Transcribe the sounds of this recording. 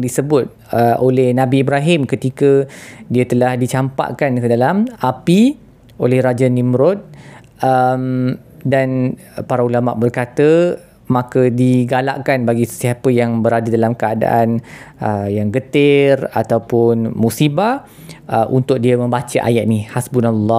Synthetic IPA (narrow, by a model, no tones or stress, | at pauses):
disəbʊt̪̚ | əʔolɛhnãbiːbɾaɦɪmkət̪ikədiət̪əlahdit͡ʃampa̰ʔkankədalamapi | olɛhɾad͡ʒanimɾɔt̪̚ | əm | dan | paɾaulama̰ʔbərkat̪ə | mãkədiɡala̰ʔkanbaɡisə̥siapəjaŋbəɾadadalamkəada̰ʔanəjaŋɡət̪ɪrat̪awpʊnmusiba | əʔunt̪ʊk̚diəmə̃mbat͡ʃaʔa̰jaʔ̚nihasbunalːɔ